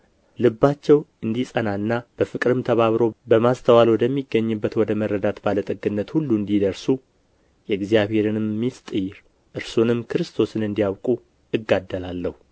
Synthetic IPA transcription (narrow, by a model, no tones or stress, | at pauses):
lɨbːat͡ʃːɛwɨnd̪isʼənaɨnːab̥əfɨkʼɨɾɨmt̪ʰəβaβɾo̞bəmast̪ʰəwalwɔd̪əmːiɡːəɲːɨbːət̪wɔd̪əməɾːəd̪at̪balət̪ʼəɡɨnːət̪hulːuɨnd̪id̪əɾsu | jɛɡzijaβhe̞ɾɨnɨmːist̪ʼɨjɾ | ʔɨɾsonɨmːkʰɨɾɨst̪ʰo̞sɨnɨnd̪ijawkʼu | ɨɡːad̪ːəlalːəhu